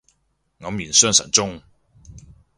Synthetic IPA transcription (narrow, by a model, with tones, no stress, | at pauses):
ŋɐ˨˧mjiː˨˩nsœː˥ŋsɐ̰˨˩nt͡sʊ˥ŋ